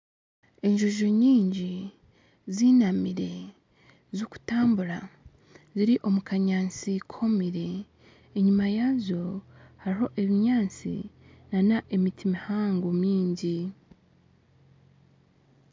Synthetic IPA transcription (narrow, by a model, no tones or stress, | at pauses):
e̞ɲʒuʒoɲiːɲɟi | ziːnamiɾe̞ | zoku̥taːmbuɾa | ziɾiʔo̞mukaɲaːnt͡sikʰo̞miɾe̞ː | ɲimajaːzjo̞haɾiɦo̞ʔe̞βiɲaːnt͡sḭnanaʔemitimihaːŋɡomiːɲɟi